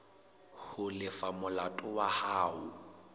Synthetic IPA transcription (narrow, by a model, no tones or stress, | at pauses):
hʊlɪfamʊlatʼʊwahaːʊ